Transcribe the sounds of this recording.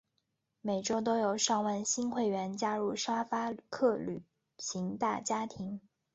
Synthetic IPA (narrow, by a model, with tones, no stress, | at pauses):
me˨˩ɪʈ͡ʂo˥ʊt̪̬o˥ʊjo˨˩ʊʂɑ˥˧ŋwa˥˩nɕi˥nxwe˥˩ɪɥɛ˧˥nt͡ɕja˥ɻu˥˩ʂa˥fa˥kʰɤ˥˩ly̰˨˩˦ | t͡ɕʰi˧˥ŋt̪a˥˩t͡ɕja˥t̪ʰi˧˥ŋ